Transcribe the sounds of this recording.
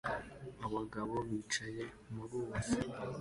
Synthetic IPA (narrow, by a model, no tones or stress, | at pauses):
aβaɡaβo̞βiːt͡ʃaje̞ | muɾuːzi